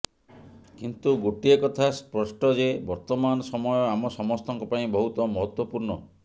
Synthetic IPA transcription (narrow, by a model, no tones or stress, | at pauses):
kint̪uɡoʈiekɔt̪ʰaspɾɔsʈɔd͡ʒebɔɾt̪ɔmanɔsɔmɔjɔamɔsɔmɔst̪ɔŋkɔpaĩbɔɦut̪ɔmɔɦɔt̪wɔpuɾɳɔ